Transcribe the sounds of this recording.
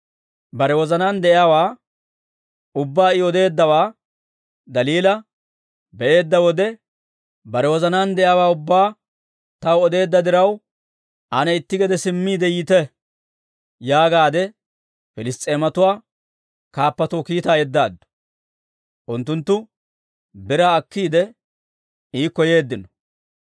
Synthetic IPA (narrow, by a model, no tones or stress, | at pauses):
bɐɾɛwɔzɐnaːnd̪ɛʔjaːwaː | ʊbːaːɪɔd̪e̞ːd̪ːɐwaː | d̪ɐliːlɐ | bɛʔe̞ːd̪ːɐwɔd̪ɛ | bɐɾɛwɔzɐnaːnd̪ɛʔjaːwaːʊbːaː | t̪ɐwɔd̪e̞ːd̪ːɐd̪ɪɾɐw | ʔɐnɛɪt̪ːɪɡɛd̪ɛsɪmːiːd̪ɛjiːt̪ɛ | jaːɡaːd̪ɛ | fɪlɪst̪ʼe̞ːmɐt̪ʊwaː | kaːpːɐt̪oːkiːt̪aːjɛd̪ːa̰ːd̪ːʊ̥ | ʔʊnt̪ːʊnt̪ːʊ | bɪɾaːɐkːiːd̪ɛ | iːkɔje̞ːd̪ːɪnɔ